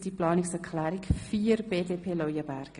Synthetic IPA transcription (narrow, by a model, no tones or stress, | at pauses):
d̥iplɑːnɪksɛɾkʰlæːɾɪkfiːəɾb̥eːdeːpʰeːlɔjəbæɾɡ̥ə